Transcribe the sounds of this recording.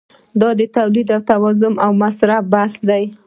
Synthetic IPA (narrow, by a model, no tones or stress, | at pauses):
d̪ɑd̪ət̪awlid̪awt̪awɑzʊmawmasɾafbasd̪aj